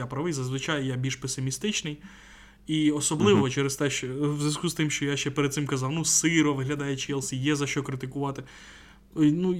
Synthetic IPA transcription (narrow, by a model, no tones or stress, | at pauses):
apɾɐʋɪjzɐzʋɪt͡ʃɑjjabʲilʲʃpesɪmʲist̪ɪt͡ʃnɪj | iɔsɔblˠɪʋɔt͡ʃɛɾest̪ɛʃt͡ʃɛwzʲjʲɐskuzst̪ɪmʃt͡ʃɔjaʃt͡ʃɛpeɾed̪̚sɪmkɐzɑwnusɪɾɔʋɪɦlʲɐd̪ɑjɛt͡ʃiɛlˠsʲijɛzɐʃt͡ʃɔkɾɪt̪ɪkʊʋɑt̪ɪ | nu